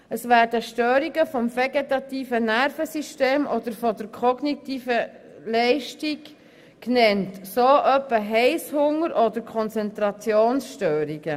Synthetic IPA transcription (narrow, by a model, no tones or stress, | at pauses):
əsʋæːɾdəʃtøːɾiɡəfɔmfɛɡetɑt̪iːfənærfəsiʃteːmʔɔd̥̪əɾfɔd̪əɾkʰɔɡnitiːfə | lɛɪʃtik | knɛntsoːʔœpːəɦɛɪshʊŋəɾʔɔd̪əɾkʰχɔnt͡sɛntɾɑt͡sjoːnsʃtøːɾiɡə